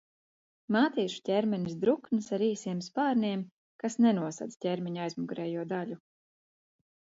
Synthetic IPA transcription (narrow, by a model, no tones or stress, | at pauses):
maːt̪iːʃu̥cʲɛɾmɛnʲisd̪ɾuknɨsaɾiːsiɛmspaːɾnʲiɛm | kasnɛnuɔsa̰d̪tʲɛɾmʲɛɲajzmuɡɾɛːjuɔd̪aʎʲu